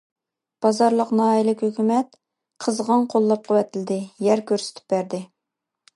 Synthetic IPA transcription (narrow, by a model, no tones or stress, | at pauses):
b̥ɑzɑɾlˠəqnɑːjilɪkʲhøkʲymɛt̪̚ | qʰəzʁɑnqʰolˠːɑp̚qʰɑwɛt̪ʰɪlɪd̪ɪjɛɾkʲʰøɾsɪ̥t̪ʰɪ̥p̚bæɾd̪ɪ